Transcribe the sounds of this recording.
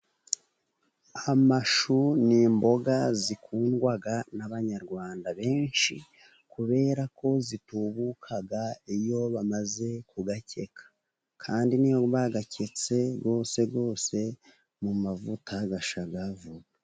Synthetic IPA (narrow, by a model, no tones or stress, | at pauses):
amaʃuniːmbo̞ɡazikuːnɡwaɡanaβaɲaɾɡwaːndaβe̞ːnʃi | kuβe̞ːɾako̞zituβukʰaɡaijo̞βamaze̞kuɡacʰe̞kʰḁ | kʰaːndinijoβaɡacʰe̞t͡se̞ɡo̞ːse̞ɡo̞ːse̞ | mumavutʰaɡaʃaɡavua